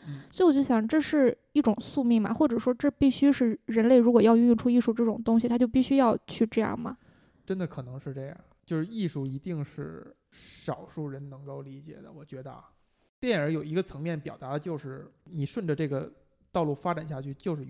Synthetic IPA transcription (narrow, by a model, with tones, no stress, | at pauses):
swɔ˧˥i˥wɔ˨˩t͡ɕo˥˩ɕjɑ˨˩˧ʈ͡ʂɤ˥˧ʂɻ̩˥˧ | i˥˩ʈ͡ʂʊ˨˩ŋsu˥˧mi˥˩ŋmɐ̰˩xwɔ˥˩ʈ͡ʂɤ˨˩ʂwɔ˥ʈ͡ʂɤ˥˧pi˥˩ɕy˥ʂɻ̩˥˩ɻə˧˥nle˥˩ɪɻu˧˥kwɔ˨˩jɑ˥˧ʊy˥˧˥ʈ͡ʂʰu˥i˥˧ʂu˥˧ʈ͡ʂɤ˥˩ʈ͡ʂʊ˨˩ŋt̪ʊ˥ŋɕ̬i˨t̪ʰa˥t͡ɕjo˥˧ʊpi˥˩ɕy˥jɑ˥˧ʊt͡ɕʰy˥˧ʈ͡ʂɤ˥˧jɑ̰˥˩ŋmɐ̰˩ | ʈ͡ʂə˥nd̪ə˨kʰɤ˨˩nɤ˧˥ŋʂɻ̩˥˧ʈ͡ʂɤ˥˩jɑ̰˨˩t͡ɕjo˥˧ʊʂɻ̩˥˧i˥˧ʂu˥˩i˧˥t̪i˥˧ŋʂɻ̩˥˩ | ʂɑ˨˩ʊʂu˥˩ɻə˧˥nnɤ˧˥ŋko˥˩ʊli˧˥t͡ɕjɛ̰˨˩d̪ə̰˦wɔ˨˩t͡ɕɥɛ˧˥d̪ə˧a̰˧ | t̪jɛ˥˩nə˞˧˥jo˨˩ʊi˧˥ɡə˧t͡sʰɤ˧˥ŋmjɛ˥˩npjɑ˨˩ʊt̪a˧˥d̪ə˧t͡ɕjo˥˧ʊʂɻ̩˥˩ni˨˩ʂwə˥˩nʈ͡ʂə˩ʈ͡ʂɤ˥˩ɡə˩ | t̪ɑ˥˧ʊlu˥˩fa˥ʈ͡ʂa˨˩nɕja˥˧t͡ɕʰy˥˩t͡ɕjo˥˧ʊʂɻ̩˥˩